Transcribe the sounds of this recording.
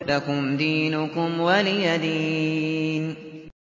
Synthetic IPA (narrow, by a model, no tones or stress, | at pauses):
lakʊmd̪iːnʊkʊmwalɪjad̪iːn